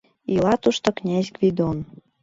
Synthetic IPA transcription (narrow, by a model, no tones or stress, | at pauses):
ilɑt̪uʃt̪ŏknʲæzʲɡvid̪on